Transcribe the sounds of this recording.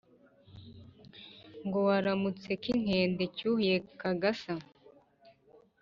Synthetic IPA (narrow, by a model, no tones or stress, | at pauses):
ŋɡo̞waɾamut͡se̞kiŋ̥he̞ːnde̞cuhuje̞kaɡasa